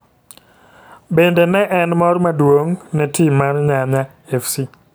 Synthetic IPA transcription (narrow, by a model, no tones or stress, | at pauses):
bendenɛʔɛnmɔrmadwoŋnɛtimarɲaɲa | efsi